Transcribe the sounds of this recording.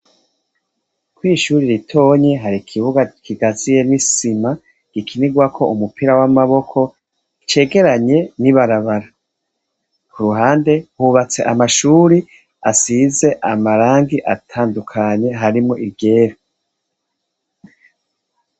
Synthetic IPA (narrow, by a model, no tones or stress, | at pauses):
kwiːʃuːɾiɾitʰo̞ɲe̞ɦaɾikʰiβuɡakʰiɡazije̞nisima | ɡ̥ikʰiniɡwakʰo̞ʔumupiɾawamaβo̞kʰo̞ | it͡ʃe̞ːɡe̞ɾaɲe̞niβaɾaβaɾa | kʰuɾuɦaːnde̞huβat͡se̞̰ʔamaʃuːɾi | asize̞ʔamaɾaːŋɡiʔatʰaːndukʰaɲe̞ɦaɾimŋo̞ʔiβɟe̞ːɾa